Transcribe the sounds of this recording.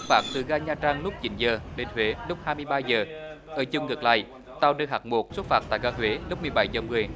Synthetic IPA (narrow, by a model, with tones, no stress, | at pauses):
t̚faː˧˩t̪ɨ˨˩ɣaː˧ɲaː˧t͡ɕaː˧ŋlʊ˦˥p̚t͡ɕi˨˦nzəː˨˩ɗe˨˦nt̪ʰwe˨˦lʊ˦˥k͡p̚haː˧jmɨ˧əjɓaː˧jzəː˨˩ | ʔəː˧˩t͡ɕʊ˧˩ŋ͡mŋɨ˨˩k̚la̰ː˧˨j | t̪aː˧wnɨː˧khaː˨˩k̚mo˨˩t̚swu˦˥t̚faː˧˩t̪a̰ː˧˨jɣaː˧hwe˨˦lk͡p̚mɨ˨˩əjɓa˧˩jzəː˨˩mɨ˨˩əj